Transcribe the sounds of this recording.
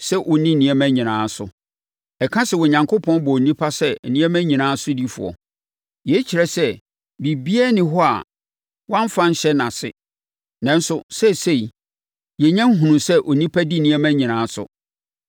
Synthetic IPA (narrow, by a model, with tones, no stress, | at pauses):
sɛ˦ʔɔ˨nĩ˦˨nĩ˨˦æ˦mæ̃˦ɲĩ˨nãː˨˦sʊ̰˨ | ɛ˨kʰã˦sɛ˨wɔ˨ɲã˨ŋkʰo˦pʰɔ̃˦nbɔ˨nĩ˦pʰa˦sɛ˦˨nĩ˦æ˦mæ̃˦ɲĩ˨nãː˨˦sʊ˦di˦fʊ̰˨ɔ̰˨ | jɛ˨˦t͡ɕʰi˨ɾɛ˨sɛ˦ | bi˨bi˦ɛ˦nɪ̃˦ɦɔ˦a̰˨ | wã˦ɱ̩˦fã˦ɲ̩˦ɕɛ˦nã˨sɪ̰˦ | nã˨n̩˦sʊ˦˨sɛ˦˨se˦˨i˨ | jɛ˨ɲã˦ŋ̩˦ɦũ˨nũ˨sɛ˦ʔɔ˨nĩ˦pʰa˦di˦nĩ˦æ˦mæ̃˦ɲĩ˨nãː˨˦sʊ̰˨